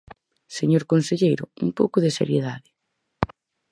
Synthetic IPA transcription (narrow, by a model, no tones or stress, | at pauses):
seɲoɾkonseʎejɾʊ̰uŋpowkʊðɪsḛɾjeðaðɪ